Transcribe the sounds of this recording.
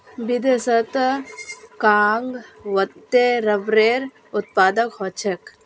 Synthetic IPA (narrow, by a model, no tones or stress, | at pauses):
bid̪esɐt̪ | kaːŋɡʋɐt̪ːeɾɐbɾeːɾ | ʊt̪̚paːd̪əkɦot͡ʃʰek